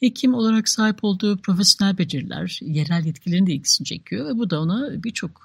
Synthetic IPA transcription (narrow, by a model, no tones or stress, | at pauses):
hecʰimo̞lˠaɾaksaːɦipʰo̞lˠd̪uːpɾo̞fesjo̞nælʲbe̞d͡ʒeɾlʲæ̰ɾje̞ɾælʲjɛt̪cʰilʲeind̪ɛilʲcʰi̥sinit͡ʃʰe̞̰cʲʰijo̞vɛbud̪aonabiɾt͡ʃʰo̞k